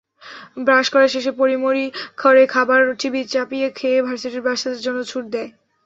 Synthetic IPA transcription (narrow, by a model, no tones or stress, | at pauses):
bɾaʃkɔɾeʃeʃ̬epoɾimoɾikʰɔɾekʰabaɾʈʰibit͡ɕapijekʰeebʱaɾseʈeɾbɾaɾʃad̪eɾd͡ʑonːot͡ɕʰuʈ̚d̪ɛe